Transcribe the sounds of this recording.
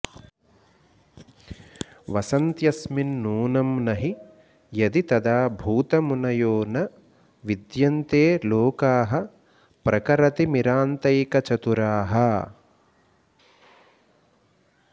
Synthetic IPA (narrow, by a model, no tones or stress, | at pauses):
ʋɐsɐnt̪jɐsminːuːnɐmnɐɦi | jɐd̪it̪ɐd̪aːbʱuːt̪ɐmunɐjoːnɐ | ʋid̪jɐnt̪eːloːkaːɦɐ | pɾɐkɐɾɐt̪imiɾaːnt̪ɐjkɐt͡ʃɐt̪uɾaːɦɐ